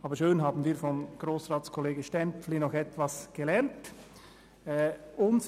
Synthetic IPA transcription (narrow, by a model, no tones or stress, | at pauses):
ʔɑːbəɾʃøːnɦɑːbn̩viːfɔmɡ̥roːsraːskʰɔleːɡəʃtɛnpflinɔxɛtvɑsɡ̥əlɛnt | ɛʊns